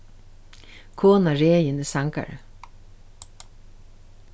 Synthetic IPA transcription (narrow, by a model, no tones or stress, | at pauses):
kʰoːnaɹeːjənəsaŋka̰ɹə̰